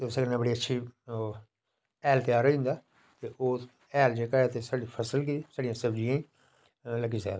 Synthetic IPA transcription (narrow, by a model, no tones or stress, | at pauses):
t̪eʊsekənẽːbəɽiːətːʃʰiː | ɛːlt̪eaːɾaʊ̃nd̪aː | t̪eːʔoː | ɛːld͡ʒeːkaːjaːt̪eːsaːɽiːpʰəsəlk̬it̪iːsaːɽijãːsəbd͡ʒĩjãːiː | ləɡiːsɛ̰ːd̪